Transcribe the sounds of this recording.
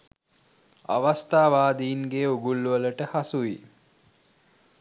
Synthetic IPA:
a̰ʋast̪aːʋaːd̪iinɡeːuɡulːuʋələʈəhasuʋi

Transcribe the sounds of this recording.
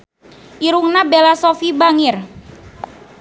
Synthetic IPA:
ʔiɾuŋnabelasofibaŋɪr

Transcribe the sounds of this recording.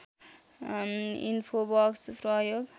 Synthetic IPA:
ḭnpʰobʌksprʌjoɡ

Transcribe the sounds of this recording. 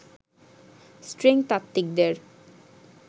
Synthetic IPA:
sʈɾeŋt̪at̪ːik̚d̪eɾ

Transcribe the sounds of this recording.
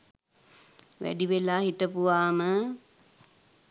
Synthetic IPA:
ʋæ̰ɖiʋelaːɦiʈəpuʋaːmə

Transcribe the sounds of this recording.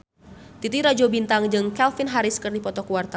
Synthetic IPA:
t̪it̪iɾad͡ʒobint̪aŋd͡ʒɨŋkɛlfɪnɦaɾɪskɨrdipɔt̪ɔkuwart̪a

